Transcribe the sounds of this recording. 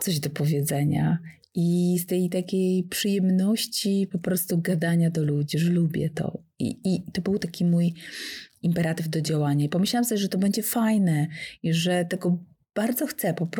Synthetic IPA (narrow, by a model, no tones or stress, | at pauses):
t̪sɔʑd̪ɔpɔvʲjɛd̪zɛɲa̰ | ist̪ɛjt̪akʲejpʂɨjɛmnɔɕt͡ɕipɔpɾɔst̪uɡad̪aɲad̪ɔlud͡ʑiʐɛlubʲjɛ̰t̪ɔ̰ | ḭːt̪ɔbɘwt̪akʲimuj | impɛɾat̪ɨvd̪ɔd͡ʑawaɲaipɔmɘɕlawamsɔbjɛʐɛt̪ɔbɛɲd͡ʑɛfajnɛiʐɛt̪ɛɡɔ | b̥aɾd̪zɔxt̪sɛpɔpɾ